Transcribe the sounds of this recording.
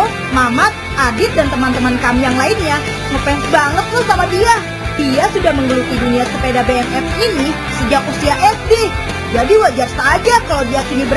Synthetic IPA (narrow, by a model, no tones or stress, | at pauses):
mamat̪̚ʔadɪt̪̚dant̪əmant̪əmankamijaŋlaɪnɲa | ŋupɛbaŋət̪̚lʊhsamadia | d̥iasudahməŋɡəlut̪iduniasəpedabeɛmɛfini | səd͡ʒak̚usiaʔɛsdɪ | d͡ʒadiwad͡ʒarsaːd͡ʒakalawdiakinibəɾ